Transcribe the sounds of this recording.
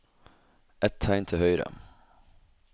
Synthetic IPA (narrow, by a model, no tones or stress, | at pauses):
ʔɛt̪ʰːæɪnt̪ʰɪhœʏɾə̰